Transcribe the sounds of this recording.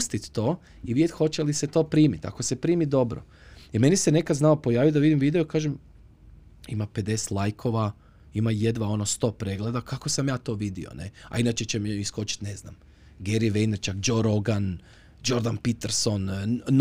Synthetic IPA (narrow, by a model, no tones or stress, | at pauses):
st̪it̪ːoː | iʋidet̪ʲxo̞t͡ɕe̞liset̪o̞ːpɾiːmit̪a̰ko̞se̞pɾiːmid̪o̞bɾo̰ | ime̞nisene̞kad̪znaopo̞jaːʋijod̪aʋid̪imʋiːd̪eokaːʒem | imape̞d̪e̞se̥t̪lˠajkʰo̞ʋa | imaje̞d̪ʋao̞nost̪o̞ːpɾe̞ɡle̞d̪akʰako̞samjaːt̪o̞ːʋid̪ḭo̰nḛa̰inat͡ɕet͡ɕemisko̞t͡ɕi̥t̪ne̞zna̰m | ɡeɾiʋejnɾt͡ʃakd͡ʒoɾoɡan | d͡ʒo̞ɾd̪anpit̪eɾso̞nn